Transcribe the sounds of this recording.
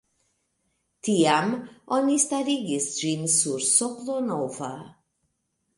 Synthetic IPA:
tiamonistaɾiɡisd͡ʒinsuɾsoklonova̰

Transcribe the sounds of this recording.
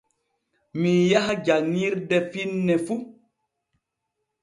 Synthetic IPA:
mijahad͡ʒaniɾdɛfinːɛfu

